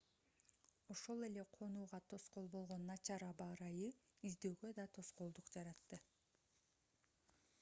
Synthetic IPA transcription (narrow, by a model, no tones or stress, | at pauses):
o̞ʃo̞lˠe̞le̞qʰo̞nuːʁɑt̪ʰo̞sqo̞lˠbo̞lˠʁo̞nːɑt͡ʃɑɾɑbɑɾɑjɯyzd̪øːɡød̪ɑt̪ʰo̞sqo̞lˠd̪uqd͡ʒɑɾɑt̪ːɯ